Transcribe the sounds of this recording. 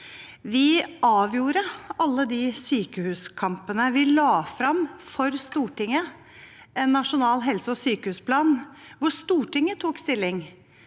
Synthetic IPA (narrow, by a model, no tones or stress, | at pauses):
ʋɪɑːʋjuːɾəɑlːəd̪ɪsyːkəhʉːskʰɑmpənəʋɪlɑːfɾɑmfɔɾst̪uːʈɪŋːə | ʔɛnːɑʂʊnɑːlɦɛlsəɔsyːkəhʉːspʰlɑːnʋʊst̪uːʈɪŋːət̪ʰuːkst̪ɪlːɪŋ